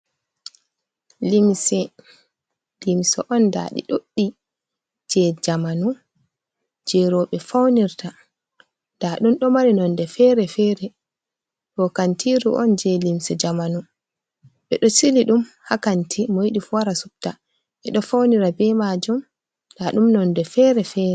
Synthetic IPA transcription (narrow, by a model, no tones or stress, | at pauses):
limsɛ | limsɔ̰ʔɔnda̰ɗḭɗoɗːi | d͡ʒɛd͡ʒamanu | d͡ʒɛɾɔɓɛfawniɾta | daɗumɗɔmaɾinɔndɛfɛɾɛfɛɾɛ | ɗɔkantʰiɾṵʔɔ̰nd͡ʒɛlimsɛd͡ʒamanu | ɓɛɗɔsiliɗumhakantʰimɔiɗifwaɾasup̚ta | ɓɛɗɔfawniɾabɛmad͡ʒum | daɗumnɔndɛfɛɾɛfɛːɾɛ